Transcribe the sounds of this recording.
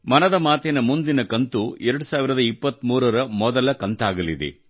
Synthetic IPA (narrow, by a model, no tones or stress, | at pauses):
mɐnɐd̪ɐmaːt̪ɛnɐmund̪inɐkɐnt̪uɛɾɐɽusaːʋiɾɐd̪ɐipːɐt̪muːɾɐɾɐmɔd̪ɐlɐkɐnt̪aːɡɐlid̪ḛ